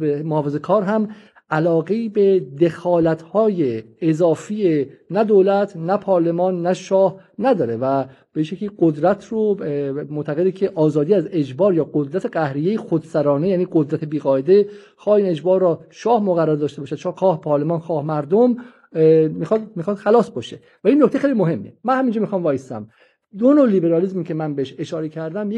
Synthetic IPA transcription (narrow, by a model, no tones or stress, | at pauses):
emoɒːfezekʰɒːɾɦæm | ælɒːɡeiːbed̪e̞xɒːlæt̪ʰhɒːjeːzɒːfienæd̪oːlæt̪ʰnæpʰɒːɾle̞mɒːnːæʃɒːhnæd̪ɒːɾevæ | b̥eiʃecʰiːɡod̪ɾæt̪ʰromoʔt̪ʰæɣe̞d̪icʰe̞ʔɒːzɒːd̪iːæze̞d͡ʒbɒːɾjɒːɡod̪ɾæt̪ʰe̞ɡæhɾijejexod̪sæɾɒːnejæːniːɡod̪ɾæt̪ʰe̞biːɣɒːed̪e̞ | xɒːhiːne̞d͡ʒbɒːɾːɒːʃɒːhmoɣæɾaɾd̪ɒːʃt̪ebɒːʃæd̪̥̚t͡ʃʰɒxɒːhpʰɒːɾle̞mɒːnxɒːhmæɾd̪om | mixɒd̪mixɒːd̪̥xælɒːsbɒːʃe | væinːok̚ʰct̪exejlimoɦe̞mːiemænhæmiːnd͡ʒɒmixɒːmvɒːjesæ̰m | d̪onolibe̞ɾɒːlizmicʰe̞mænbeeʃe̞ʃɒːɾecʰæɾd̪æmje